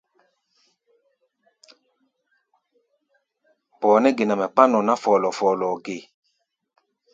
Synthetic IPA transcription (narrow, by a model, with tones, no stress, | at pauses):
bɔ˨nɛ˦ɡe˨na˨mɛ˨k͡pa˦nɔ˨na˦fɔː˨lɔ˨fɔː˨lɔ˨ɡe˨